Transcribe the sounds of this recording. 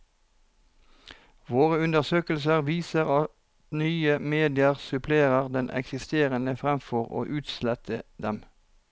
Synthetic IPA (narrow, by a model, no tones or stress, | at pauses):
ʋoːʁəʉnd̪əʁsøːkəl̩səʁʋiːsəʁɑtt̪nyːəmeːd̪ɪəʁsʉpʰleːʁəʁd̪ɛnʔɛ̰ksɪst̪eːʁənəfʁɛmfɔʁo̰ːʔʉːt̪slɛt̪ʰəd̪ɛm